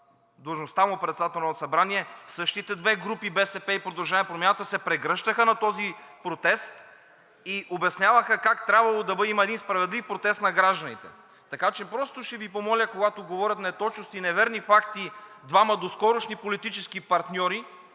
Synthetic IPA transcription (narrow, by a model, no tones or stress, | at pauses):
d̪ɐlˠʒnost̪amopɾɛt̪sd̪at̪ɛlnonsɐbɾaniɛsɤʃt̪it̪ɛd̪vɛɡɾupibɛsɛpɛipɾod̪ɐlˠʒapɾomʲanət̪əsɛpɾɛɡɾəʃt̪əxənɐt̪ɔzipɾot̪ɛst̪ | iʔobɐsnʲjavəxəkakt̪ɾʲabvɐlˠod̪ɐbɤd̪imɐɛd̪inspɾɐvɛd̪lifpɾot̪ɛst̪nɐɡɾaʒd̪ɐnit̪ɛ̰ | t̪ɐkat͡ʃɛpɾɔst̪oʃt̪ɛvipomɔlʲəkoɡat̪oɡovɔɾʲɐt̪nɛt̪ɔt͡ʃnost̪inɛvɛɾnifakt̪i | d̪vamɐd̪oskɔɾoʃnipolit̪it͡ʃɛskipɐɾt̪nʲɔɾi